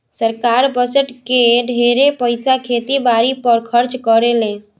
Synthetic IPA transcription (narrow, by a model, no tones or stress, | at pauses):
səɾkaɾbəsəʈkeɖʱeɾepəɪsakʰet̪ibaɾipəɾkʰəɾt͡ʃkəɾelẽ